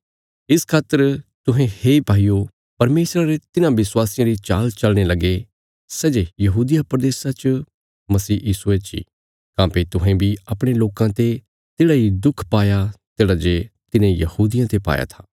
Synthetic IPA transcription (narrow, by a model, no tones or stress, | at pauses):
ɪskʰaːt̪ːəɾt̪ʊɦẽheibʱaːijo | pɐɾmeːsɾaɾet̪ɪnãʋɪswaːsɪjãɾit͡ʃaːlt͡ʃɐlɽ̃elɐɡe | sɛːd͡ʒejɐɦuːd̪ijapɾɐd̪eːsat͡ʃ | mɐsiːjiːsuet͡ʃḭː | kãːpet̪ʊɦẽbʱiɐpɽ̃eloːkãt̪e | t̪eːɽaid̪ʊkʰpaːjat̪eːɽad͡ʒet̪ɪnẽjɐhuːd̪ɪjãt̪epa̰ːja̰t̪ʰḁː